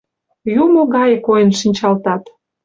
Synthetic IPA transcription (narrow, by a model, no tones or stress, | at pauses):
jumoɣɑjekojənʃinʲt͡ɕɑlt̪ɑt̪